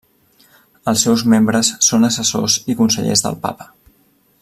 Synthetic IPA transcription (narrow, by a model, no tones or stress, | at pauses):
əlˠsːɛwzmembɾəsːonəsəso̰zikunsəʎḛzðə̰lˠpa̰pə̥